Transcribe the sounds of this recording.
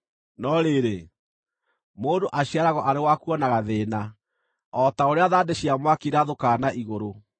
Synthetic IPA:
nɔɾeɾe | moːdoʔaɕiaɾaɣɔʔaɾewakuɔnaɣaðeːna | ɔtaoɾeaðaːdeɕiamwakiɾaðokaːnaʔiɣoɾo

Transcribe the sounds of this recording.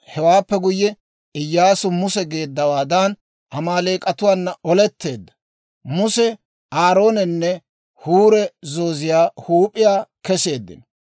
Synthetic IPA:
hɛwaːpːɛɡʊjːɛ | ɪjːaːsʊmʊsɛɡe̞ːd̪ːɐwaːd̪an | ʔɐmaːleːkʼɐt̪ʊwaːnːɐʔɔlɛt̪ːe̞ːd̪ːɐ̥ | mʊsɛ | ʔaːɾo̞ːnɛnːɛ | huːɾɛzo̞ːzɪjaːhuːpʼɪjaːkɛse̞ːd̪ːɪ̰n

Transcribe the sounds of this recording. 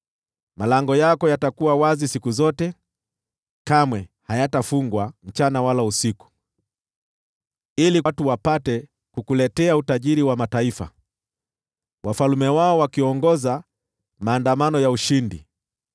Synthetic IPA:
malaŋɡɔjakɔjatakuwawazisikuzɔtɛ | kamwɛhajatafuŋɡwam̩t͡ʃanawalausiku̥ | ilituwapatɛ | kukulɛtɛautaʄiɾiwamataifa̰ | wafalumɛwaɔwakiɔŋɡɔza | maːndamanɔjauʃindḭ

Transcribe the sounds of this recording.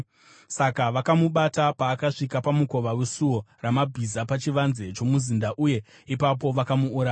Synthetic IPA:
sakaʋakamuɓatapaːkaʂikapamuko̞ʋawesuo̞ramabʱizapat͡ʃiʋanze̞t͡ʃo̞muzindaʔuje̞ | ipapo̞ʋakamuːɾaj

